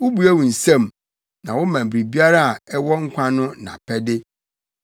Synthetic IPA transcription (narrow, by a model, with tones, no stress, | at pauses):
wʊ˦bu˨æ˦wũ˨n̩˨sã˦˨m | nã˨wʊ˦mã˨bɾi˨bi˦a˦ɾa˦a˨ɛ˦wɔ˦ŋ̩˦kʷʰã˦nʊ̃˦nã̰˨pʰɛ˦dɪ˦